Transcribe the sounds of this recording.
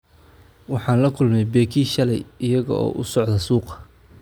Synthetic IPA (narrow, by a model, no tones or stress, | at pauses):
wɑħɑːnlɐkʰʊlmɛjbɛːkʰiːʃɐlɛjɪjɐɣɔ̰ʔɔ̰ːʔʊsɔʕd̪ɐsuːqɐ̥